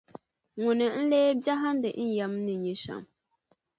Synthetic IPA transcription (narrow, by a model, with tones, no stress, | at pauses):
ŋʊ˨nɨ˨n̩˦leː˦ba˦ɦa˦n˦dɨ˨ʔn̩˦ja˨˦mnɨ˨ɲi˨sa̰˨m